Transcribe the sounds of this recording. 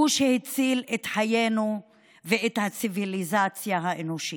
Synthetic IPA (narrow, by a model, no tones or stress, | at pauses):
uʃehet͡silet̪ħajenu | veet̪hat͡sivilizat͡sjaɦaʔenoʃi